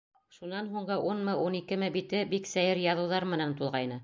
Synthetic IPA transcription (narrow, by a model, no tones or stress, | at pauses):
ʃunɑnɦuɴɢɤʔunmɤʔunikɘ̆mɘbit̪ɘbiksæjɘɾjɑðɤ̆wðɑɾmɘ̆nænt̪ulˠʁɑjnɤ